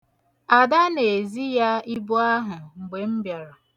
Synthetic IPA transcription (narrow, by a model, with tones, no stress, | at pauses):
a˨da˦ne˨zi˦ja˦i˦bʊ˦a˦ɦʊ˨ŋ͡m̩˨ɡ͡be˨m̩˦bja˨ɾa˨